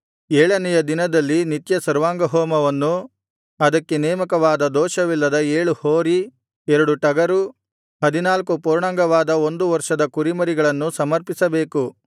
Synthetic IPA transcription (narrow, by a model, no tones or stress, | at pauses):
ɛːɭɐnɛjɐd̪inɐd̪ɐlːinit̪jɐsɐɾʋaːŋɡɐɦɔːmɐʋɐnːu | ɐd̪ɐkːenɛːmɐkɐʋaːd̪ɐd̪ɔːʃɐʋilːɐd̪ɐeːɭuhoːɾi | ɛɾɐɽuʈɐɡɐɾu | ɦɐd̪inaːlkupuːɾɳɐŋɡɐʋaːd̪ɐo̞nd̪uʋɐɾʂɐd̪ɐkuɾimɐɾiɡɐɭɐnːusɐmɐɾpisɐbe̞ːku